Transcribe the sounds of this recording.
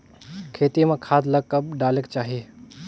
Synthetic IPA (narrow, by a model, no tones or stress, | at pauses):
kʰeːt̪imẽkʰaːd̪lɐɡ̚kɐb̚ɖaːleːkt͡ʃaːɦie